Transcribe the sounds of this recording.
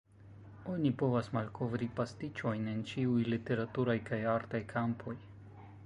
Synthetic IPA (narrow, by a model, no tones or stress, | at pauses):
o̞nipo̞vasmalko̞vɾipastit͡ʃo̞jne̞nt͡ʃiujlite̞ɾatuɾajkajaɾtajkʰampʰo̞j